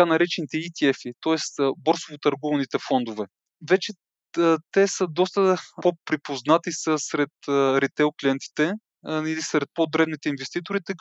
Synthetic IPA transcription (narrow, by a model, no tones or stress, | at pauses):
anɐɾɛt͡ʃɛnit̪ɛit̪iɛfit̪ɔɛst̪bɔɾsovot̪ɐɾɡɔvnit̪ɛfɔnd̪ovɛ | vɛt͡ʃɛ | t̪ɛsəd̪ɔst̪əpopɾipoznat̪isəsɾɛt̪ɾɛt̪ɛoklʲiɛnt̪i̥t̪ɛ | ilisɾɛt̪̚pod̪ɾɛbnit̪ɛinvɛst̪it̪oɾit̪ɛk